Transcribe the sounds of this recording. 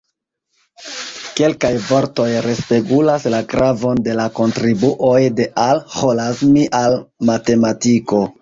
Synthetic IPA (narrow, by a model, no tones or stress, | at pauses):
ke̞lkajvo̞ɾto̞jɾe̞spe̞ɡulaslakɾavo̞nde̞lako̞ntɾibuʔo̞jde̞ʔalholazmiʔalmate̞matiko̞